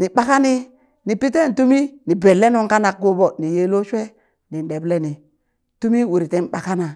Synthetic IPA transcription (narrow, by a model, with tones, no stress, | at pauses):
ni˨ɓa˦ka˦ni˦ | ni˨pi˦t̬e˦n˨tu˦mi˦ni˨be˨lːe˦no˦ŋka˦na˨k̚ɡo˦bɔ˨ni˨je˦lo˦ʃwe˦ | ni˨n˨de˨ble˦ni˨ | tu˦mi˦wu˨ɾi˨te˦n˦ɓa˨ka˦na˨